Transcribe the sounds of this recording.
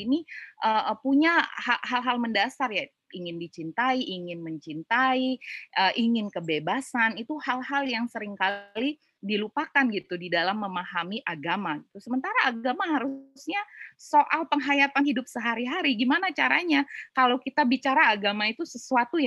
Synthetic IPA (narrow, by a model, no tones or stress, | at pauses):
iniʔəpuɲahahalɦalməndasarja | iŋɪndit͡ʃint̪aiʔiŋɪnməɲt͡ʃint̪aiəʔiŋɪnkəbebasanit̪uhalɦaljaŋsəɾɪŋkali | dilupakanɡit̪udidalamːəmahamiʔaɡamait̪ʊsəmənt̪aɾaːɡamaɦaɾusɲasoʔalpəŋɦajat̪anhidʊp̚səɦaɾiɦaɾiɡimanat͡ʃaɾaɲakalawkit̪abit͡ʃaɾaːɡamait̪usəsuat̪uj